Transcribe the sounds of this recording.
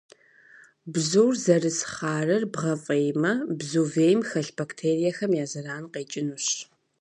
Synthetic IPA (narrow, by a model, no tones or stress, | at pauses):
bzowrzɐrɨsχɑːrɐrbʁɐfʼejmɐbzuveːjmxɐɬbaktʰeːrijɐxɐmjaːzɐɾaːnqeːt͡ʃʼɪnuɕ